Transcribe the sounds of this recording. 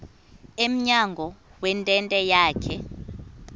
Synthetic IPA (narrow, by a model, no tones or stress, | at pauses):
em̩ɲaŋɡʱɔwɛntʼɛntʼɛjaːkʰɛ